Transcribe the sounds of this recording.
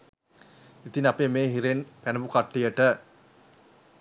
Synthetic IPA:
it̪inapemeːɦiɾenpænəbukaʈːijəʈə

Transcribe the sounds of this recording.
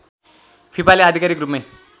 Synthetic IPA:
pʰipaliad̪ʱikaɾikrupme

